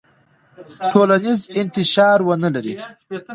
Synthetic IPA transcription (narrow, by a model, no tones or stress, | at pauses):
ʈʰoːlanizɪnt̪ɪʃɑːɾwənəlaɾi